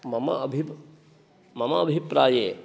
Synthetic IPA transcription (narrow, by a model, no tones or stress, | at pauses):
mɐmɐ̰bʱi | mɐmɐːbʱipɾaːjeː